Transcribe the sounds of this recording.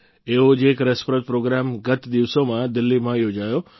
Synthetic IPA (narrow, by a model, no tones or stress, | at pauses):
eːɦod͡ʒeːkɾəspɾət̪̚pɾoɡɾamɡət̪d̪iʋsomãd̪ɪlːimãjoːd͡ʒaːjoː